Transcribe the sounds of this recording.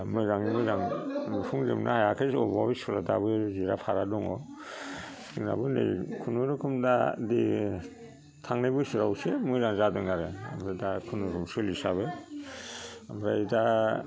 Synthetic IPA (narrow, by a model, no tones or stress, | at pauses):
mɯzaŋnimɯzaŋmɯpʰuŋzɯ̰mnahajakʰesɔbabisɔla̰da̰bɯziɾa̰pʰaɾadɔŋɔ | dɯŋna̰bɯnɯ̰jkʰunuɾɯkʰɯmdadi | tʰaŋnabɯsiɾawsemuzaŋzadɯŋaɾea̰mɾadakʰunuɾumsɯlisabɯ | amɾa̰da